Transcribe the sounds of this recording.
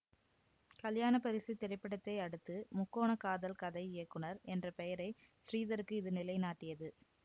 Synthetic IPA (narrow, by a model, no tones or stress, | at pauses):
kɐljaːnɐpɐɾɪsit̪ɛɾɪpːɐɽɐt̪ːɐɪɐɽɯt̪ːɯmʊkːoːɳɐkaːðɐlkɐðɐɪɪjɐkːɯɳɐɾʔɛndrɐpɛjɐɾɐɪsriːðɐɾɯkːɯɪðɯnɪlɐɪnaːʈːɪjɐðɯ